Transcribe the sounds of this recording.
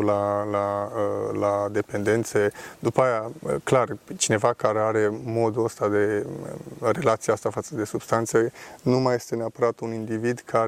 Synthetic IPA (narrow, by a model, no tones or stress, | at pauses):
lalaəlad̪e̞pe̞nd̪e̞nt̪se̞d̪upaajaklart͡ʃine̞vakaɾe̞aɾe̞mo̞d̪uəst̪ad̪e̞̰ | re̞lat̪sijast̪afat̪səd̪e̞subst̪ant̪senumaje̞st̪e̞neapəɾat̪unind̪ivid̪kʰa